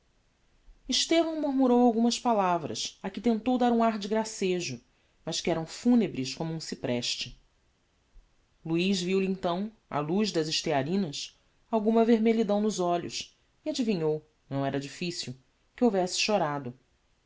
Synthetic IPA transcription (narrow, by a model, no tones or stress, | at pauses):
iʃt̪evɐ̃w̃muɦmuɾowawɡũmɐspalavɾɐ̰sakɪt̪ẽnt̪owd̪aɾũaɦd͡ʒɪɡɾaseʒʊ | mɐʃkɪɛɾɐ̃w̃funebɾɪʃkõmuũsipɾɛʃt͡ʃɪ | luiʒviwlẽnt̪ɐ̃w̃ | a̰luʒd̪ɐzɪʃt̪eaɾĩnɐs | awɡũmɐveɾmeʎid̪ɐ̃w̃nʊzɔʎʊ̰s | iad͡ʒiviɲow | nɐ̃w̃ɛɾɐd͡ʒifisiw | kɪowvɛsɪ̥ʃoɾad̪ʊ